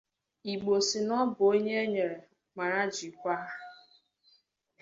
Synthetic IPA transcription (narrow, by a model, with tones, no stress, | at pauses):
i˨ɡ͡bo˨si˨nɔ˦bʊ˨o˦ɲe˦ɲe˨ɾe˨ | ma˨ɾa˦d͡ʒi˨kʷa˦ɦ